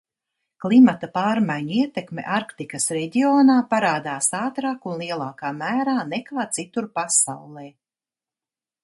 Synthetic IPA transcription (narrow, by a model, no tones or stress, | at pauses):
klˠimat̪apaːɾmajɲiɛt̪ekmḛʔaɾkt̪ikɐsɾɛɟioːnaːpaɾaːd̪aːsaːt̪ɾaːkunlˠiɛlˠaːkaːmæːɾaːnekaːt̪sit̪uɾpasa̰wlˠɛː